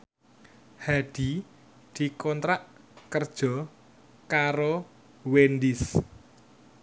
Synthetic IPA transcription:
haɖ̪̥i̤ | d̪̥i̤kɔnt̪ɾaʔ | kərd̥ʒ̥ɔ | kaɾo | wend̪ɪs

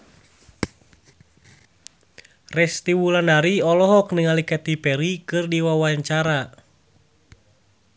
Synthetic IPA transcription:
rɛst̪iwulanaɾiɔlɔɦɔkniŋalikɛt̪ipɛɾikɨrdiwawaɛɲt͡ʃaɾa

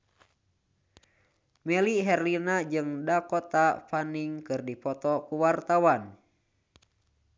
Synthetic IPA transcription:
mɛliɦɛrlinad͡ʒɨŋdakɔt̪afaniŋkɨrdipɔt̪ɔkuwart̪awan

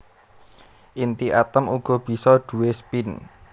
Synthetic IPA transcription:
ʔint̪iʔa̰t̪əmuɡ̥ɔ̤b̥i̤sɔɖ̪̥ṳwespin

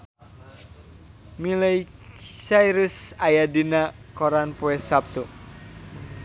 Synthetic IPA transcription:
milɛj | sajɾusajadina | kɔɾanpuɛsap̚t̪u

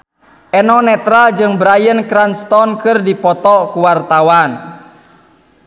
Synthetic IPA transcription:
ʔɛnɔnɛt̪ɾald͡ʒɨŋbɾajənkɾanst̪ɔnkɨrdipɔt̪ɔkuwart̪awan

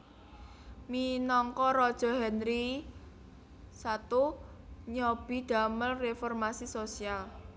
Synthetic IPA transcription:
minɔŋkɔɾɔd̥ʒ̥ɔ̤ɦɛnɾi | sat̪u | ɲɔb̥i̤d̪̥a̤məlrefɔrmasisosial

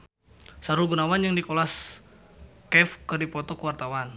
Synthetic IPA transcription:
saɾuɡunawanjaŋdikolas | kɛfkərdipɔt̪ɔkəwart̪awan

